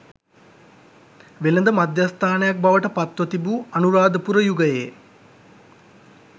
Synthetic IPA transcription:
ʋelend̪əmad̪jast̪ʰaːnəjak̚baʋəʈəpat̪ʋət̪ibuɐnuɾaːd̪əpuɾəjuɡəjeː

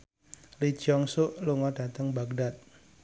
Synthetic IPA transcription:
lid̥ʒ̥ɔŋsʊʔluŋɔɖ̥a̤t̪əŋbaɡ̚dat̪̚

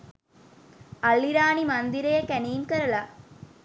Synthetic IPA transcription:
ɐlːiɾaːnimɐnd̪iɾejɐkænijnkɐɾɐla

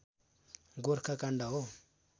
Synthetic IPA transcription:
ɡuɾkakandawo

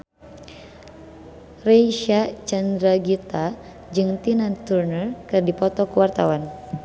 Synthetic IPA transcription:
rɛʃat͡ʃand̪ɾaɡit̪a | d͡ʒɨŋt̪inant̪urnərkɨrdipɔt̪ɔkuwart̪awan

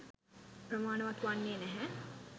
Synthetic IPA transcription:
pɾɐmaːnɐʋɐt̪uʋanːeːnæɦɛ

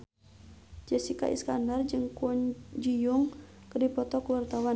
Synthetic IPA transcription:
d͡ʒɛsika̰ʔḭskandard͡ʒɨŋkɔɲd͡ʒijuŋkərdipɔt̪ɔkuwart̪awa

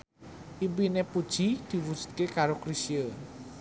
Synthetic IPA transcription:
ʔiwinepud̥ʒ̥i̤d̪̥i̤wu̥d͡ʒ̥u̥t̪̚kekaɾokɾisiə

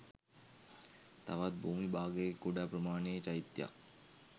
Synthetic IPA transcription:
t̪aʋat̪̚bʱuːmibaːɡeekːuɖapɾəmaːneːt͡ʃajit̪ja̰k

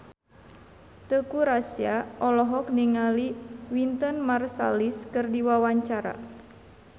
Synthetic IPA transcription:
t̪əkuɾasiaʔɔlɔɦɔk̚niŋaliwint̪ənmarsa̰liskɨrdiwawaɲt͡ʃaɾa̰

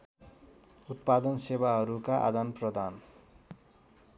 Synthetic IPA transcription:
ut̪̚pad̪ʌnsebaɦʌɾukaʔa̰d̪anprʌd̪ʱan

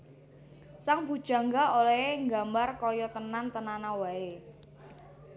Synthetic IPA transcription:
saŋbṳd̥ʒ̥a̤ŋɡaolɛeŋɡa̤mbarkɔjɔt̪ənant̪ənanawae

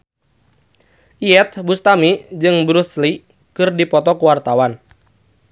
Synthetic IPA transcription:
ʔiɛt̪̚bust̪amid͡ʒɨŋbɾusli | kɨrdipɔt̪ɔkuwart̪awan

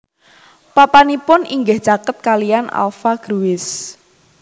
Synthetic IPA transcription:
papanipʊniŋɡɪhʒ̥akət̪̚kalijana̰lfaɡ̥ɾuwɪs

